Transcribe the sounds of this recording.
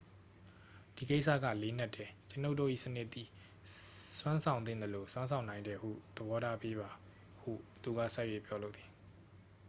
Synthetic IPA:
d̥i˨ke˦ʔsä̰˦˨ɡä̰˦˨le˦n̥a˦tʰːɛ˨t͡ɕə˨no˦ʊto˦˨ʔḭ˦˨sə˦nɪ˦ʔt̪ːi˨ | swã˦nsʰã˨ʊ̃nɪ̃˦˨nd̪ə˨lo˨swã˦nsʰã˨ʊ̃nã˨ɪ̃ndɛ˨hṵ˦˨d̪̥əbɔ˦ɾa˦pe˦ba˨ | hṵ˦˨t̪u˨ɡa̰˦˨sa˦˨we˦˨pjɔ˨˦lo̰˦˨t̪i̥˨

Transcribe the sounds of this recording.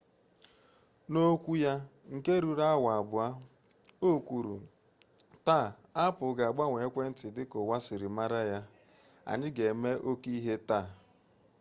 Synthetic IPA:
no˦kʷu˦ja˦ŋ̩˨ke˦ɾu˨ɾa˦a˦wa˨a˨bʊ˨a˦ | o˦˨kʷu˨ɾṵ˨ | ta˦˨ | a˦pʊ˨ɡa˨a˨ɡ͡ba˦ŋʷe˨˦kʷe˦n̩˦tɪ˨dɪ˦kʊ˨wa˦sɪ˨ɾɪ˨ma˦ɾa˦ja˦ | a̰˨ɲɪ˦ɡe˨me˦ʔo˦ki˦ɦe˦ta˦˨

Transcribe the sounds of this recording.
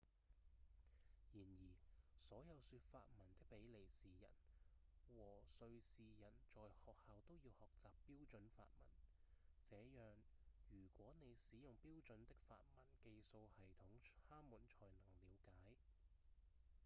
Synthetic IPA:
jiː˨˩njiː˨˩sɔː˨˥jɐ˨˧wsyː˧t̚fa̰ː˧t̚mɐ˨˩nt̪ɪ˥k̚pe˨˥jle˨˩jsiː˨˩jɐ̰˨˩n | wɔː˨˩sɵ˧ɥsiː˨jɐ˨˩nt͡sɔː˨jhɔː˨k̚haː˨˧wt̪o˥wjiː˧whɔː˨k̚t͡saː˨pːiː˥wt͡sɵ˨˥nfa̰ː˧t̚mɐ˨˩nt͡sɛː˨˥jœː˨ŋjyː˨˩kʷwɔː˨˥ne˨˧jsiː˨˥jʊ˨˩ŋpiː˥wt͡sɵ˨˥nt̪ɪ˥k̚fa̰ː˧t̚mɐ˨˩nke˧jso˧whɐ˨jt̪ʰʊ˨˥ŋaː˥muː˨˥nt͡ʃʰɔː˨˩jnɐ˨˩ŋliː˨˧wkaː˨˥j

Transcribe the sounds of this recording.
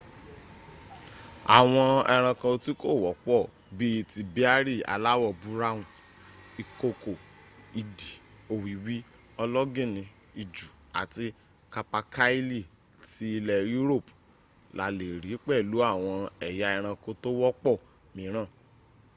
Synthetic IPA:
a̰˨w̃ɔ̃˧ɛ˧ɾ̃ã˧kã˧ti˦ko˦˨wɔ˨˦k͡pɔ˦˨ | bi˦i˧ti˧bi˦a˦ɾi˦˨a̰˨la˦wɔ˦˨bu˦ɾa˦wũ˨ | i˨ko˧ko˨ | i˨di˨ | o˨wi˨wi˦ | ɔ˧lɔ˦ɡĩ˦˨nĩ˧ | i˨d͡ʒu˨ | a̰˨ti˧ | ka˧pa˧ka˦i˦li˦˨ | ti˧˦i˧lɛ˧ju˦ɾo˦˨p | la̰˨le˨ɾi˨˦k͡pɛ˦˨lu˨˦a˦˨w̃ɔ̃˧ɛ˨ja˨˦ɛ˧ɾ̃ã˧kõ˧˦to˦wɔ˦k͡pɔ˦˨mĩ˨˦ɾ̃ã˦˨

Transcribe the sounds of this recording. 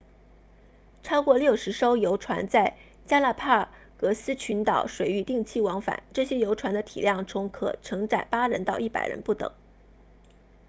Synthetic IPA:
ʈ͡ʂʰɑ˥ʊkwɔ˥˧ljo˥˩ʊʂɻ̩˧˥ʂo˥ʊjo˧˥ʊʈ͡ʂʰwa̰˧˥nt͡sa˥˩ɪ | t͡ɕja˥la˥˩pʰa˥˩ | kɤ˧˥sɹ̩˥t͡ɕʰy˧˥nt̪ɑ˨˩ʊʂwe˨˩ɪy˥˧t̪i˥˧ŋt͡ɕʰi˥˩wɑ˧˥ŋfa̰˨˩˦nʈ͡ʂɤ˥˩ɕjɛ˥jo˧˥ʊʈ͡ʂʰwa˧˥nd̪ə˧t̪ʰḭ˨˩ljɑ˥˩ŋt͡sʰʊ˧˥ŋkʰɤ̰˨˩ʈ͡ʂʰɤ˧˥ŋʈ͡ʂa˨˩ɪpa˥ɻə˧˥nt̪ɑ˥˧ʊi˥˩pa̰˨˩ɪɻə̰˧˥npu˥˩t̪ɤ̰˨˩˦ŋ

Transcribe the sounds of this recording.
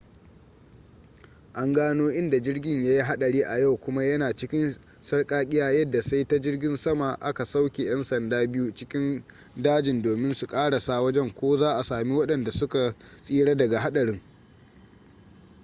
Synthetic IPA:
ʔa˦ŋɡaː˦noː˦ʔɪ˦nda˨d͡ʒɪ˦rɡʲɪ˦˨ɲjaː˦ji˦ɦa˦ɗɐ˨ɽiː˦ʔa˨ja˦˨wkʷʊ˦ma˦jɐ˦naː˨t͡ʃɪ˦kʲɪ˦n | sɐ˦rkʼaː˦kʲʼɪ˦jaː˦jɐ˦dːa˨sa˦jta˦d͡ʒɪ˦rɡʲɪ˦nsɐ˦ma˨ʔa̰˦ka˨sa˦wkʲe˨j̰ɐ˦nsɐ˨ndaː˦bɪ˦ju˦t͡ʃɪ˦kʲɪ˦n | daː˦d͡ʒɪ˨ndoː˨mɪ˦nsu˨kʼaː˦ɽa˨saː˦˨wɐ˦d͡ʒɛ˦ŋkʷoː˦zaː˦ʔa˨saː˨mi˦wɐ˦ɗɐ˨nda˨sʊ˦ka˨ | sʼiː˦ɽa˦dɐ˨ɡa˨ɦa˦ɗɐ˨ɽɪ˦ŋ

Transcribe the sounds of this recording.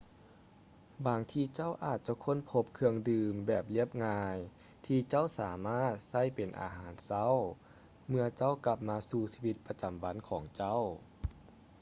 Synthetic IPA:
baː˨ŋt̪ʰiː˧t͡ɕa˥˩wʔaː˨˩t̪̚t͡ɕa˧˦kʰo˧˥˨npʰo˧˥p̚kʰɯ˧əŋdɯː˧mbɛː˨˩p̚li˥˩əp̚ŋaː˧j | t̪ʰiː˧t͡ɕa˥˨wsaː˨˩˦maː˥˩t̪̚sa˥˩jpe˨˩nʔa̰ː˨˧ɦaː˩˦nsa˧˥˨w | mɯ˧ɐt͡ɕa˥˩˨wka˧p̚maː˧suː˧siː˧wi˧t̪̚pa˧t͡ɕa˨˩mba˧˥nkʰɔː˩˦ŋt͡ɕa˥˨w

